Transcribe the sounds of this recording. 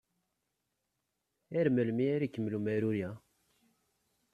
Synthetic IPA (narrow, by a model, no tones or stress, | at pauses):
æɾməlmiæɾikːəmlumæɾuɾjæ